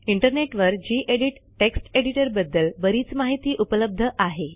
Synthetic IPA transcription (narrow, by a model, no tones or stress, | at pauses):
iɳʈəɾneʈʋəɾd͡ʑiːʔeɽiʈːeksʈeɽiʈəɾbəd̪ːəlbəɾiːt͡smaɦit̪iːʔupləb̚d̪ʱəʔaɦe